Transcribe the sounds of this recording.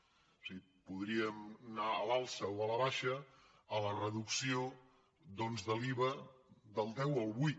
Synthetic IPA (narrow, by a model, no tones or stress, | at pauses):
siɣi | puðɾiəmnaəlalˠsəwələβaʃə | ələrəðuksio | ðɔnzðəliβəðəlˠd̪ɛwəlˠβut̪